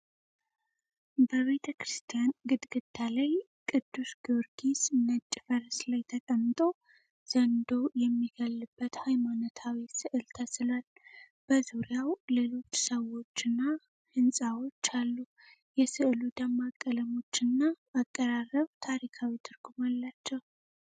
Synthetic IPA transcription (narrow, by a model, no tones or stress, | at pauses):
bəβe̞t̪ʰəkɾɨst̪ʰijanɡɨd̪ɡɨd̪ʰalaj | kʼɨd̪ːusɡioɾɡisnət͡ʃʼːfəɾslajt̪ʰəkʼəmːɨt̪ʼo̞ | z̥ənd̪o̞jɛmːiɡəlːɨbːət̪hajmanət̪ʰawisɨʔɨlt̪ʰəsɨlal | b̥əzuɾjawle̞lo̞t͡ʃːsəwo̞t͡ʃːɨnːa | hɨnsʼawo̞t͡ʃːalːu | jɛsɨʔɨlud̪əmːakʼːələmo̞t͡ʃːɨnːaː | kʼːəɾarːəβt̪ʰaɾikʰawit̪ʰɨɾɡumalːat͡ʃːɛw